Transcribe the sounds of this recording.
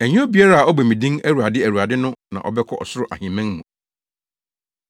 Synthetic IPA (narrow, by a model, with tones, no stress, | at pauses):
æ˨ɲɪ̃˦ɔ˦bi˨a˦ɾa˦a˨ɔ˦bæ˨mĩ˨dĩ˦ŋæ˦ɾu˨a˨dɪ˦æ˨ɾu˨a˨dɪ˦nʊ̃˦nã̰˨ʔɔ̰˨bɛ˦kʰɔ˦ʔɔ̰˨sʊ˦ɾʊ˦˨ʔa˨hĩ˨mæ̃˦ŋmũ˨